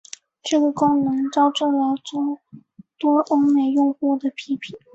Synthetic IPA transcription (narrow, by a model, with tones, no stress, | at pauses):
ʈ͡ʂɤ˥˩ɡə˩kʊ˥ŋnɤ˧˥ŋt͡sɑ˥ʊʈ͡ʂɤ˥˩ljɑ˧˥t͡so˥ʊ | t̪wɔ˥ʔo˥ŋme˨˩ɪjʊ˥˧ŋxu˥˩d̪ə˩pʰi˧˥pʰi˨˩˦